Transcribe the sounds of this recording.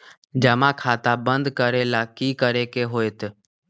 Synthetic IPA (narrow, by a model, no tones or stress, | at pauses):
d͡ʒəmãːkʰaːt̪aːbənd̪kəɾeːlaːkiːkəɾeːkeːɦoːeːt̪